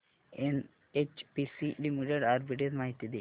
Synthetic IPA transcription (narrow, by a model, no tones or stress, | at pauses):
en | et͡ʃpisiɖimuɖeɖaːɾbiʈezmaːɦit̪ːid̪i